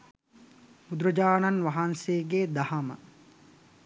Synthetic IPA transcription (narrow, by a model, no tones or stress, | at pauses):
ud̪ɾəd͡ʒaːnanʋɐɦanseːɡeːd̪ɐhamə